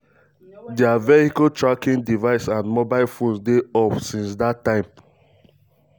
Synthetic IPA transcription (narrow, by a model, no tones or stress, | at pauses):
deavɛhikatɹakĩndivaɪsãnmobaɪlfõnsdeɔpsĩnsdatːãɪ̃m